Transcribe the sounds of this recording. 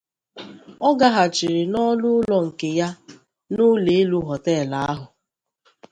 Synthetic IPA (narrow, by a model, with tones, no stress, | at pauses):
ɔ˦ɡa˦ɦa˨t͡ʃɪ˨ɾɪ˨nɔ˦lʊ˦lɔ˨ŋ̩˨ke˨ja˦ | nʊ˦le˨e˦lu˦ɦɔ˨tɛː˦˨la˨˦a˦ɦʊ˨